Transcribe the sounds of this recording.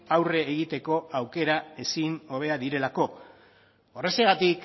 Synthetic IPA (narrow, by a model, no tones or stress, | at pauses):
awre̞ːɣ̞it̪e̞ko̞awke̞ɾae̞sino̞β̞e̞aðiɾe̞lako̞ | ore̞seɣat̪ik